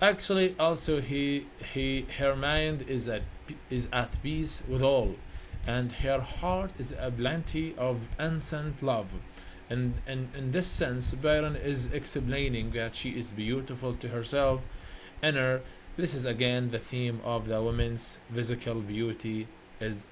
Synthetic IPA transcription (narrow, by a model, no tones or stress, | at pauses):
ʔæk̚t͡ʃul̩ˠiʔɔlˠsoʊi | hihə˞mãɪ̃ndɪzɨɪzætpiswɨðɔlˠʔɨ̃ndhə˞hɑɹɾɨzɨblæ̃ntʰiʔʌvɪ̃nsɛ̃ntlʌv | ɨ̃nɨ̃nɪ̃nðɪsɛ̃nsbɛɾə̃nɪzɨksplẽɪ̃nɪ̃ŋðætʃiʔɪzbjuɾɨfəl̩ˠtʰɨɦə˞sɛlˠf | ɨ̃nə˞ | ðɪsɨzɨɡɛ̃nðɨθĩmʔʌvðəwʊmɨ̃nz̥fɪzɨkʰəlˠbjuɾi | ɪz